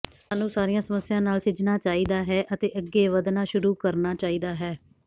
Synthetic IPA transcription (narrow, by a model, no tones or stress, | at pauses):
saːnũːsaːɾɪjãːsəməsːɪjãːnaːlsɪd͡ʒnaːt͡ʃaːiːd̪aːɦɛːʔət̪eːʔəɡːeːʋəd̪naːʃʊɾuːkəɾnaːt͡ʃaːiːd̪aːɦɛː